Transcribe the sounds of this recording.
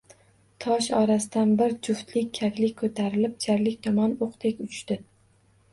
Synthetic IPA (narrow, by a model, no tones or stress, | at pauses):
t̪ʰɒʃɒɾasɪd̪anbɪɾd͡ʒʊft̪lɪkʲːʰakʲlɪkʲkʰɵt̪ʰaɾɪlɪp̚t͡ʃʰaɾlɪkʲt̪ʰɒmɒnoqt̪ʰekʲʊt͡ʃt̪ɪ